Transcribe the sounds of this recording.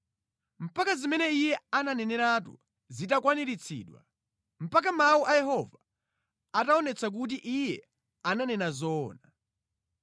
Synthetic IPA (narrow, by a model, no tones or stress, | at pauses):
m̩pakazimɛnɛijɛananɛnɛɾat̬ṵ | zitakwaniɾit͡sʰḭːɗwa̰ | m̩pak̬amauʔajɛɦɔva | ataɔnɛt͡sʰak̬ut̬iʔijɛ | ananɛnazɔːna